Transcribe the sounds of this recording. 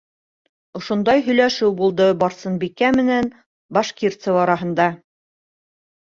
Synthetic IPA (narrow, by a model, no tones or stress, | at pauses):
ŏʃŏnd̪ɑjɦɵ̆jlæʃɘwbulˠd̪ɤbɑɾsɤnbikæmɘ̆næn | bɑʃkirt̪sɤwɑɾɑɦɤ̆nd̪ɑ